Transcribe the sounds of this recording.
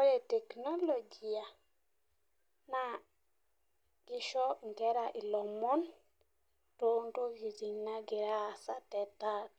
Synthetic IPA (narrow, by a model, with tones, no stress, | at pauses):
o˦je˨te˨kno˦lo˨d͡ʒi˨ja˨ | na˦ | ɡ̥i˦ʃo˦ŋ˨ke˦ɾa˨ʔi˨lo˨mɔ˦n | to˦nto˦ɡi˨zi˨ŋna˦ɡi˨ɾa˦˨sa˦tɛ˨ta˦